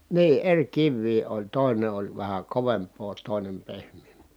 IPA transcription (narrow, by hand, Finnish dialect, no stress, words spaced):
niː erʲ kiʋːiː olʲ toˑine olʲ ʋæhæ koʋempˑoː toˑinem pehmˑeːmpˑeː